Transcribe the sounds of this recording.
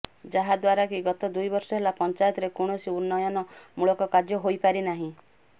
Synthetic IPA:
d͡ʒaɦad̪waɾakiɡɔt̪ɔd̪ujbɔɾsɔɦelapɔnt͡ʃajɔt̪ɔɾekuɽ̃ɔsiunːɔjɔnɔmuɭɔkɔkad͡ʒjɔɦojpaɾinaɦĩ

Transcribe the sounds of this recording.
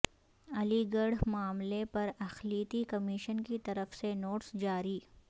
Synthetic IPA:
ɐliɡɐɽmaːmlepɐɾɐxliːt̪ikɐmiːʃənkit̪ɐɾəfsenoːʈsd͡ʒaːɾiː

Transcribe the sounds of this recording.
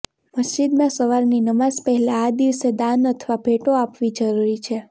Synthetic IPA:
məsd͡ʒid̪mãsəʋaɾninəmazpəɦɛlãːd̪iʋsed̪ãnət̪ʰʋabʱeʈoapʋid͡ʒəɾuɾit͡ʃʰe

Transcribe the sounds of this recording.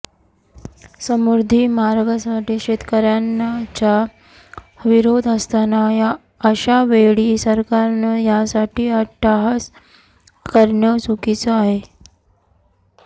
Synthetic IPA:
səmuɾd̪ʱimaɾɡəsaʈiːɕet̪kəɾjant͡ɕa | ʋiɾod̪əst̪anaja | əɕaʋeɭiːsəɾkaɾnəjasaʈiːaʈːaɦas | kəɾɳjəsukit͡səaɦe

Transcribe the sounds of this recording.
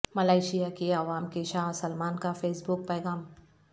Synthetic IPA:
mɐlaːɪʃijakeɐʋaːmkeʃaːsɐlmaːnkafeːsbʊk̚pɛːɣaːm

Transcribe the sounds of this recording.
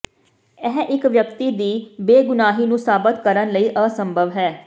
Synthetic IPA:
ɛɦʔɪkʋjəkt̪iːd̪iːbeːɡʊnaːɦiːnũːsaːbət̪kəɾənləiːʔəːsəmbʱəʋɦɛː

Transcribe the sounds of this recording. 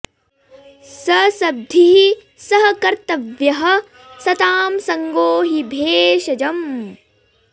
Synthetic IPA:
sɐsɐb̚d̪ʱii | sɐɦɐkɐɾt̪ɐʋjɐɦɐ | sɐt̪aːmsɐŋɡoːɦibʱeːʃɐd͡ʒɐm

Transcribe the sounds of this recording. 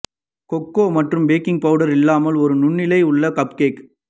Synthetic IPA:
kɔkːoːmɐʈrɯmbeːkɪŋɡ̚pɐʋɯɽɐɾɪlːaːmɐlɔɾɯnʊɳːɪlɐɪʊɭːɐkɐpkeːk

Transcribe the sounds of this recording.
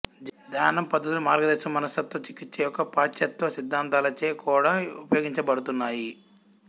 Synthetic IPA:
d̪ʱaːnɐmpɐd̪ʱːɐt̪ulumaːɾɡɐd̪ɛːʃɐmːɐnɐsɐt̪ːʋɐt͡ʃikːit͡ʃːɐjɔkːɐpaːt͡ʃːɐt̪ʋɐsid̪ʱːaːnt̪aːlɐt͡ʃeːkʰuːɽaːupɐjoːɡiɲt͡ʃɐbɐɽut̪unːaːji

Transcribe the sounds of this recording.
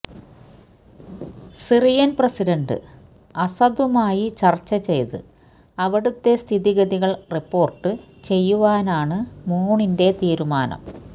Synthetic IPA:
sirijɐnprɐsidɐɳɖɨ̰ | ɐsɐd̪ʋɐmaːjit͡ɕɐrt͡ɕːɐt͡ɕe̞jðɨ̰ | ɐʋiɽut̪ːe̞st̪ʰiðiɣɐðiɣɐɭripːo̞ːrʈːɨ | t͡ɕe̞jːuʋaːnaːɳɨmuːɳinde̞t̪iːɾumaːnɐ̰m

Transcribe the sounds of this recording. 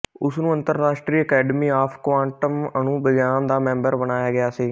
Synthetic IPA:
ʊsnũːənt̪əɾːaːʃʈɾiːəkɛːɖəmiːaːpʰkʋãːɳʈəmənũːbəɡjaːnd̪aːmɛ̃ːmbəɾbənaːjaːɡɪaːsiː

